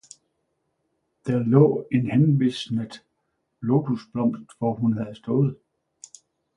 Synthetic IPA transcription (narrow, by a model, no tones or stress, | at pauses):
d̥æɐlɔ̰̽ːe̝nhenʋisnədˠ | lo̝t͡sʰusb̥lɒ̽m̰sd̥ʋɒhunɦæð̩ˠsd̥ɔ̽ːð̩ˠ